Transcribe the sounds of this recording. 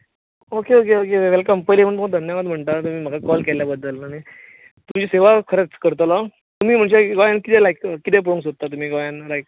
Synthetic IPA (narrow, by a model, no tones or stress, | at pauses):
okeokeokeʋeʋelkəmpəliməɳt̪umad̪ʱənjaʋad̪m̤əɳt̪at̪um̤iːm̤əɡakɔlkɛljabəd̪ːəlaɽ̃i | t̪umt͡ɕiːseʋakʰəɾət͡skəɾt̪əla | t̪um̤iːm̤əɳd͡ʑeɡajankit̪ɛlajkkit̪ɛp̬uɽũŋs̬ot̪̚t̪ːat̪̬um̤iːɡɔjanɾajk